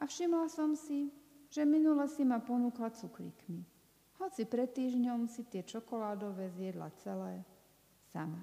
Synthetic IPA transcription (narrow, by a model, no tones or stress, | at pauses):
ʔafʃimlasɔmsiʒɛminulɛsimapɔnuːklat͡suklḭkmi | hɔt͡sipɾɛt̪ːiːʒɲɔmsit̪ɪɛt͡ʃɔkɔlaːd̪ɔʋɛːzjɛd̪la̰t͡sɛlɛː | sama